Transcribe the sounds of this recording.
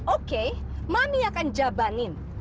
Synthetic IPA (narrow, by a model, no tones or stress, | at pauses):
oke | mamiakand͡ʒabanin